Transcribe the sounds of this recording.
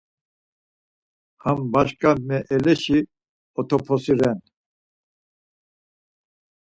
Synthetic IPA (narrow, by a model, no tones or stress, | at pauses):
hambaʃkʼamɛʔɛlɛʃi | ɔt̪ʰɔpʰɔsiɾɛn